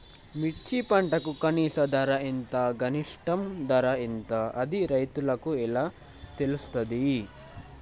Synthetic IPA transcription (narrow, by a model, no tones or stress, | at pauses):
miʈt͡ʃipɐɳʈɐkukɐniːsɐd̪ɐɾɐint̪ɐɡɐniʂʈɐmd̪ɐɾɐint̪ɐʔɐd̪iɾɐjt̪ulɐkuɛlaː | t̪elusu̥t̪ɐd̪i